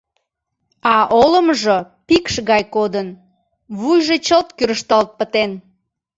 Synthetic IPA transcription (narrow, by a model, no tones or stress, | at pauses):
ɑʔoləmʒo | pikʃɣɑjkod̪ən | βujʒet͡ɕəlt̪kyɾəʃt̪ɑlt̪̚pət̪en